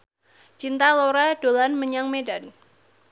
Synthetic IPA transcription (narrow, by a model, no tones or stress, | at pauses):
t͡ʃint̪aloɾaɖ̥olanməɲaŋmedan